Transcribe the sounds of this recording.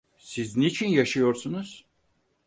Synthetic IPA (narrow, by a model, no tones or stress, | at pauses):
siznit͡ʃʰinjaʃɯjo̞ɾsunuz̥